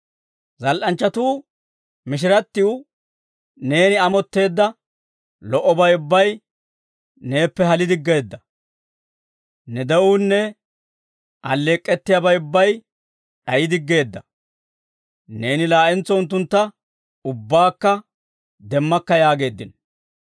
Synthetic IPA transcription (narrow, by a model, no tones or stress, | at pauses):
zɐlʔɐnt͡ʃːɐt̪uː | mɪʃ̬ɪɾɐt̪ːɪʊ | ne̞ːnɪɐmɔt̪ːe̞ːd̪ːɐ | lɔʔɔbɐjʊbːɐj | ne̞ːpːɛɦɐlɪd̪ɪɡːe̞ːd̪ːɐ | nɛd̪ɛunːɛ | ʔɐlːeːkʼːɛt̪ːɪjɐbɐjʊbːɐj | ᶑɐjɪd̪ɪɡːe̞ːd̪ːɐ | ne̞ːnɪlaːʔɛnt͡sːɔʊnt̪̬ːʊnt̪ːɐ | ʊbːaːkːɐ | d̪ɛmːɐkːɐjaːɡe̞ːd̪ːɪn